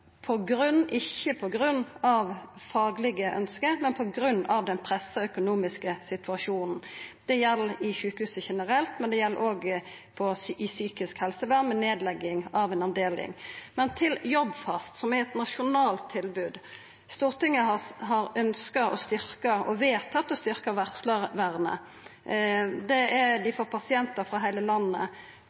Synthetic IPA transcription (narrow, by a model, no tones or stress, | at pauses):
pʰɔɡɾʉnːʔɪçːəpʰɔɡɾʉnːɑʋfɑːɡlɪɡəʔœ̰nskəmɛnpʰɔɡɾʉnːɑʋd̪ɛnpʰɾɛsːəœkʊnuːmɪskəsɪt̪ʰʉɑʂuːnn̩d̪̥ɛjɛlːɪçʉːkəhʉːsəçɛnəɾɛlt̪mɛnd̪ɛjɛlːə̰ɾoːɡ | pʰɔsɪsyːkɪskhɛlsəʋæʁmɛneːd̪lɛɡːɪŋɑʋɛnɑʋd̪eːlɪ̰ŋmɛnt̪ʰɪljɔbfɑst̪sɔmæɾɛt̪nɑʂʊnɑːlt̪ʰːɪlbʉːd̪ | st̪uːʁt̪ɪŋːəɦɑɾœnskəɔst̪ʏɾkəɔʋeːt̪ʰɑt̪d̪ɛst̪ʏɾkəʋæʁsləɾʋæʁnə̰ | d̪ɛɛd̪ɪfɔɾpʰɑsɪɛnt̪əɾfʁɑɦæɪləlɑnːə̰